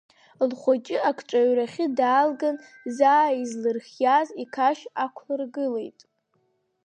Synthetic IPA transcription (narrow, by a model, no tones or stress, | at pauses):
lχʷat͡ʃʼɪakʰʈ͡ʂʼaɥraχʲɪdaːlɡan | zaːizlɨrχʲjazikʰaʃakʷʰħɨrɡɨlejtʼ